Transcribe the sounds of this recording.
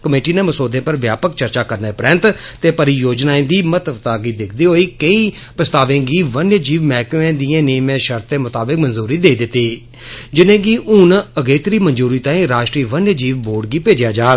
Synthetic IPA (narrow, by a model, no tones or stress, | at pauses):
kəmeːʈiːneːməsoːd̪ẽːpəɾʋjaːpəkt͡ʃəɾt͡ʃaːkəɾneːpɾɛ̃nt̪t̪eːpəɾiːjoːd͡ʒnaːẽːd̪iːmət̪ʋt̪aːɡiːd̪ɪkʰd̪iːɦoːiːkəiː | pəst̪aːʋẽːɡiːʋənjd͡ʒiːʋmɛːkẽːd̪iːẽːniːmẽːʃəɾt̪eːmʊt̪aːbɪk̚mənzuːɾiːd̪eːiːd̪ɪt̪ːiː | d͡ʒɪnẽːɡiːʔʊnəɡeːt̪əɾiːmənzuːɾiːt̪ãːĩːɾaːʃʈɾiːʋənjəd͡ʒiːʋboːɖɡiːpeːd͡ʒjaːd͡ʒaːɡ